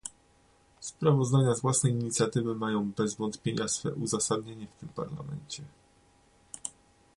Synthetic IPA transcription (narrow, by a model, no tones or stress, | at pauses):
spɾavɔzd̪aɲazvwasnɛjiɲit̪sʲjat̪ɘvɘmajɔ̃w̃bɛzvɔnt̪pʲjeɲasfɛ̰ʔuzasad̪ɲeɲɛft̪ɘmpa̰ɾla̰mɛ̰ɲt͡ɕɛ